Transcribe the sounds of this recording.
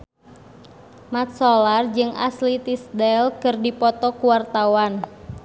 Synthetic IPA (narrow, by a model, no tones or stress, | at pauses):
mat̪̚sɔlard͡ʒɨŋa̰slit̪isdɛlkɨrdipɔt̪ɔkuwart̪awan